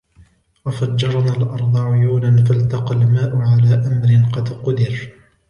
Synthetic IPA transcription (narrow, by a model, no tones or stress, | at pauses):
wafad͡ʒːɑɾˤnaːlʔɑɾˤd̪ˤɑʕʊjuːlanfalt̪ɑqɑlmaːʔʊʕalaːʔamɾɪnqɑd̪qʊd̪ɪɾ